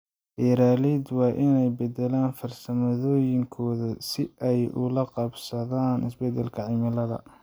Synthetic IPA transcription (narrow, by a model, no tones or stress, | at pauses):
ʔɛːɾaːliːd̪wɑːʔɪnɛjbɐd̪ɛlaːnfɐrsɐmɐðɔːjɪŋkʰɔːðɐsɪʔɛjʊ̰lɐqɑbsɐðaːnʔɪ̰sbɛd̪ːɛlkʰɐʕɪmɪlɐðɐ̰